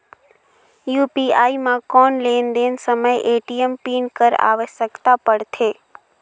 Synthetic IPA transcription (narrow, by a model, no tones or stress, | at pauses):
juːpiaːimãkɔːnleːnd̪eːnsəməjʔeːʈiempiːnkəɾa̰ːʋəʃəkt̪apəɽt̪ʰeː